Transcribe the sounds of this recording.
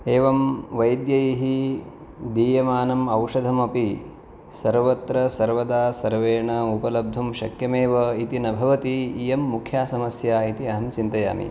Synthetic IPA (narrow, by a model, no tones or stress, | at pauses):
eːʋɐmʋɐjd̪jɐjiɦi | d̪iːjɐmaːnɐmɐwʂɐd̪ʱɐmɐpi | sɐɾʋɐt̪ɾɐsɐɾʋɐd̪aːsɐɾʋeːɳɐupɐlɐb̚d̪ʱumʃɐkjɐmeːʋɐit̪inɐbʱɐʋɐt̪iːjɐmːukʰjaːsɐmɐsjaːit̪iɐɦɐmt͡ʃint̪ɐja̰ːmḭ